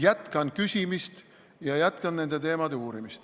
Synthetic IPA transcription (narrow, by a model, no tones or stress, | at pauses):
jæt̪kɑnkysʲimist̪ | jɑjæt̪ˑkɑnne̞nd̪et̪e̞ːmɑd̪euːɾimist̪